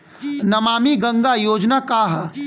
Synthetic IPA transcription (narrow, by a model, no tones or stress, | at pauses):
nɐmaːmiɡɐ̃ŋɡajoːd͡ʒnakaːɦ